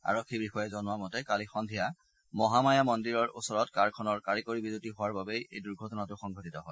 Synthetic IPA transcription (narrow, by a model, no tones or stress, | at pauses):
a̰ɹɔkʰːibixɔjɛzɔnʊamɔtɛkalixɔndʱija | mɔɦamajamɔndiɹɔɹo̰sɔɹɔtkaɹkʰɔnɔɹkaɹikoɹibidutiɦʊwaɹbabejejduɹɡʱɔtɔnatʊxɔŋɡʱɔtitɔɦɔj